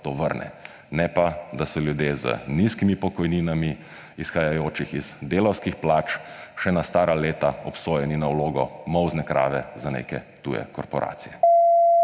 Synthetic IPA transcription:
t̪oːʋəɾnɛ̰ | nɛpad̪asɔljud̪jezə̰niskimipɔkɔjninami | isxajajoːt͡ʃixiz̥d̪eːlɔwskixplaːt͡ʃʃɛnast̪aːɾaleːt̪aɔpsoːjɛninawloːɡɔmɔwznɛkɾa̰ːʋɛzanḛːkɛt̪ṵjɛ̰kɔɾpɔɾʔa̰ːt̪sijɛ

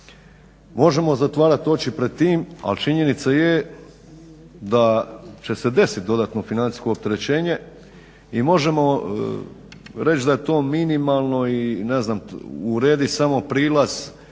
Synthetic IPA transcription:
mo̞ʒe̞mo̞zat̪ʋaːɾat̪o̞t͡ɕipɾed̪̚t̪iːma̰lt͡ʃiɲe̞nit̪saje | d̪at͡ɕe̞se̞d̪e̞sit̪̚d̪o̞d̪at̪no̞finani̥sko̞ːp̚t̪e̞ɾe̞t͡ɕe̞ːɲe̞ | imo̞ʒemo̞ | ɾe̞t͡ʃd̪ajet̪o̞ːminimalˠno̞ineznamuɾe̞ːd̪isamo̞pɾiːlˠaz̥

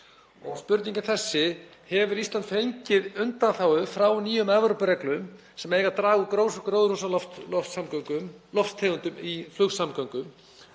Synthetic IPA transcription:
ɔ̰ɣspʏɾt̪niɲcɪθɛsːɪ | hɛvʏɾist̪ant̪fejlcɪðʏnt̪anθaːwʏfɾawniːjʏmɛvɾʏpʏɾɛklʏm | sɛmeːjɣat̪ɾaːɣʏkɾowskɾowðɾusaɔft̪samkʏmlɔft̪t̪ʰɛɣʏnt̪ʏmiflʏxsamkɔŋkʏm

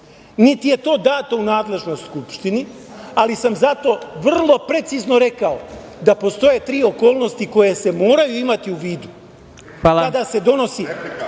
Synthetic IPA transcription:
nit̪ije̞t̪o̞ːd̪aːt̪ounaːd̪le̞ʒno̞jst̪skupʃt̪ini | alisamzat̪o̞ʋr̩lˠo̞pɾe̞t̪sizno̞ɾe̞kao | d̪apo̞st̪o̞je̞t̪ɾiːo̞ko̞ːlˠno̞st̪iko̞je̞semoːɾajuimat̪iuʋiːd̪u | xalkad̪ase̞d̪o̞no̞si

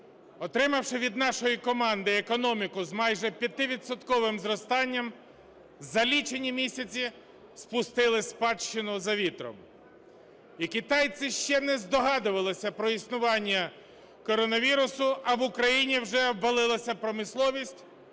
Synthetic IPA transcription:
ɔt̪ɾɪmɐwʃɪʋʲid̪nɑʃɔjikɔmɑnd̪ɪekɔnɔmʲikʊzmɑjʒɛpʲjɐt̪ɪʋʲid̪sɔt̪kɔʋɪmzɾɔst̪ɑnʲːɐm | zɐlʲit͡ʃenʲimʲisʲɐt͡sʲi | spʊst̪ɪlˠɪsʲpɑt͡ʃt͡ʃɪnʊzɐʋʲit̪ɾɔ̰m | ikɪt̪ɑjt̪sɪʃt͡ʃɛnɛzd̪ɔɦɑd̪ʊʋɐlˠɪsʲɐpɾɔisnʊʋɑnʲːɐ | kɔɾɔnɐʋʲiɾʊsʊɐʋʊkɾɐjinʲiwʒɛwʋɐlˠɪlˠɐsʲɐpɾɔmɪslˠɔʋʲisʲtʲ

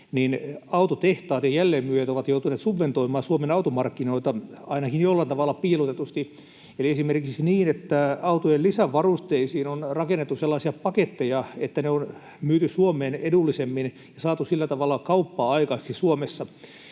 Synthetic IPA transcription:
ninɑut̪ot̪eht̪ɑːt̪jɑjælːeːmmyøjet̪oʋɑt̪jout̪uneːt̪suʋʋent̪oimɑːsuomenɑut̪umɑrkːinoit̪ɑɑinɑkinjolːɑnt̪ɑʋɑlːˑɑpiːlut̪et̪ust̪i | eliesimerkiksiniːnet̪ːæɑut̪ojellisæʋɑrust̪eisiːnonrɑkenːet̪ːuselːɑːsiɑpɑket̪ːejɑet̪ːæneon | myːt̪ysuomeːnedulːisemːin | jɑsɑːt̪usilːæt̪ɑʋɑlːɑkɑupːɑːɑikɑeksisuomesːɑ

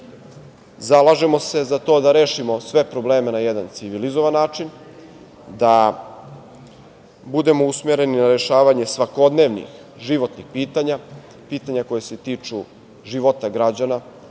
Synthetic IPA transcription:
zalˠaʒe̞mo̞se̞zat̪o̞d̪aɾe̞ːʃimo̞sʋe̞pɾo̞ble̞ːmenajed̪ant̪siʋilizo̞ʋanːaːt͡ʃin | d̪a | bud̪e̞mo̞usme̞ɾe̞ninaɾe̞ʃaːʋaɲe̞sʋako̞d̪ne̞ʋnḭx | ʒiʋo̞t̪nixpiːt̪aɲa | piːt̪aɲako̞jese̞t̪iːt͡ʂu | ʒiʋot̪aɡɾad͡ʑana

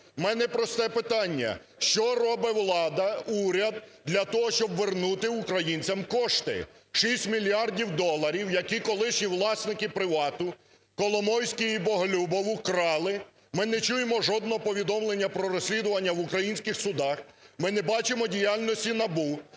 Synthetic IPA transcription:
mɛnɛpɾɔst̪ɛpɪt̪ɑnʲːɐ̰ | ʃt͡ʃɔrɔbɪwlˠɑd̪ɐuɾʲɐd̪̚d̪lʲɐt̪ɔɦɔʃt͡ʃɔbʋernut̪ɪʊkɾɐjinʲt͡sʲɐmkɔʃt̪ɪ̰ | ʃisʲtʲmʲilʲjɑrdʲiwd̪ɔlˠːɐɾʲiwjɐkikɔlˠɪʃnʲiʋlˠɑsnɪkɪpɾɪʋɑt̪ʊ | kɔlˠɔmɔwsʲkiibɔɦɔlʲubɔʋʊkɾɑlˠɪ | mɪnɛt͡ʃujemɔʒɔd̪̚nɔɦɔpɔʋʲid̪ɔmlˠenʲːɐpɾɔɾɔsʲlʲid̪ʊʋɐnʲːɐʋʊkɾɐjinʲsʲkɪxsʊd̪ɑxmɪnɛbɑt͡ʃɪmɔdʲijalʲnɔsʲtʲinɐbu

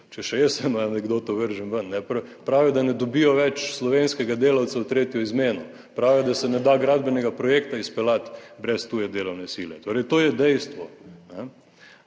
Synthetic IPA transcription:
t͡ʃɛʃɛjəsəmanɛɡd̪ot̪ɔʋəɾʒəmʋənːɛpɾpɾaːʋiɔd̪anɛd̪obijɔʋɛt͡ʃslɔʋenskɛɡad̪eːlawt̪sawt̪ɾeːt̪jɔizmeːnɔ | pɾaːʋiɔd̪asɛnɛd̪aɡɾad̪bɛnɛɡapɾɔjekt̪aispɛlat̪bɾɛst̪uːjɛd̪eːlɔwnɛsilɛt̪oːɾɛjt̪oːjɛd̪ɛjst̪ʋɔnɛ

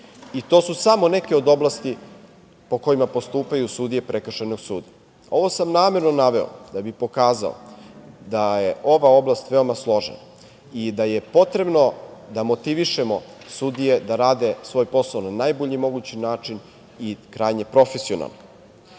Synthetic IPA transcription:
it̪o̞ːsusamo̞ne̞ke̞o̞d̪o̞blast̪i | po̞ko̞jimapo̞st̪uːpajusud̪ije̞pɾekrʃenoɡsuːd̪i | o̞ʋo̞samnaːme̞ɾno̞naʋe̞o̰d̪abipo̞kaːza̰o̰d̪aje̞ʔo̞ʋao̞blˠast̪ʋe̞omaslˠo̞ʒḛna | id̪aje̞po̞t̪ɾe̞bno̞d̪amot̪iʋiʃemo̞sud̪ije̞d̪aɾaːd̪e̞sʋo̞ːjpo̞saonanajboʎimo̞ɡut͡ɕinaːt͡ʂin | ikɾaːjɲe̞pɾo̞fesio̰na̰lˠno

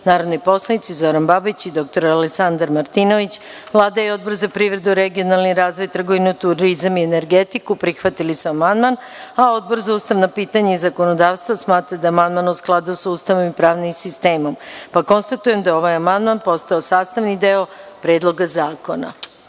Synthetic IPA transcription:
naːɾod̪nojpo̞slˠanit̪sizo̞ɾanbabit͡ɕid̪o̞k̚t̪o̞ɾaleksand̪aɾmaɾt̪ino̞ʋit͡ɕʋlˠaːd̪ajeo̞d̪̚bo̞ɾzapɾiʋɾe̞d̪uɾe̞ɡio̞nalˠniɾaːzʋo̞jt̪r̩ɡo̞ʋinut̪uɾizamiene̞ɾɡet̪ikupɾixʋat̪ilisuamand̪man | ao̞d̪̚bo̞ɾzauːst̪aʋnapiːt̪aɲeizako̞no̞d̪aːʋst̪vʋosmaːt̪ɾad̪aːmand̪manusklˠad̪usuːst̪aʋo̞mipɾaːʋnimsist̪e̞ːmo̞mpako̞nst̪at̪ujemd̪ao̞ʋajamand̪manpo̞st̪aosaːst̪aʋnid̪eo̞pɾe̞ːd̪lˠo̞ɡazaːko̞na̰

